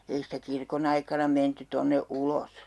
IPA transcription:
ei sitæ kirkon ɑikɑnɑ menty tonːe ulos

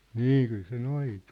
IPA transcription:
niː kyl se noitu̥

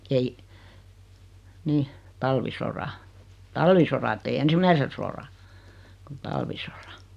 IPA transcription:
ei nih tɑlʋisorɑ tɑlʋisorɑ etːei ensimˑæise sorɑ kut tɑlʋisorɑ̥

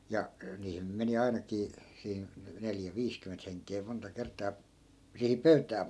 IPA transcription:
jɑ niːhin nym meni ɑinɑkiː siːn neljæ ʋiːskymːent heŋkˑeː montɑ kertˑɑː sihiŋ pøytæː

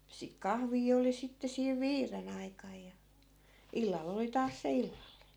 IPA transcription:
sik kɑhʋiː oli sitːe siːʋ ʋiːren ɑikɑj jɑ ilːɑlː oli tɑːs se ilːɑlːine

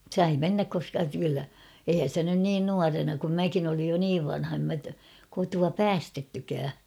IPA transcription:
sɑi menːæk koskɑ kylːæ eihæn̞ sĭtæ nyn niːn nuɑrenɑ kum mækin olij jo niːʋ ʋɑnhɑ em mæ kotuɑ pæːstetːykæː

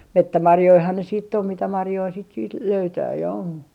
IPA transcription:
metːæmɑrjoihɑn ne siːtː om mitæ mɑrjoi sit siːt løytæː jɑ on

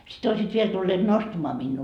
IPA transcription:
sit oisiːt ʋiel tulːeːt nostɑ̆mɑː minːuː

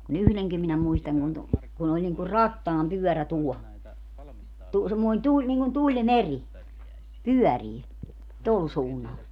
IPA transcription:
kun yhleŋkim minæ muistɑŋ kun tu kun olʲ niŋku rɑtːɑːmpyœˑræ tuɔ tu semːoin tulʲ niŋkun tulʲmerʲi pyœˑriː tol suːnːɑl

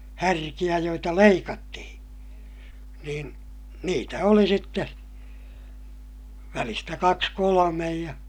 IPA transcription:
hærkij̆æ joitɑ leikɑtːihĩː niːn niːtæ oli sitːe ʋælistæ kɑks kolomej jɑ

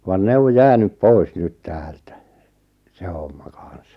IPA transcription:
ʋɑn ne o jæːnyp poi̞s nyt tæːltæ se homːɑ kɑn̞s

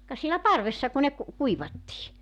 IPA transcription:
kɑ sielæ pɑrʋesːɑ ku ne ku kuiʋɑtːiː

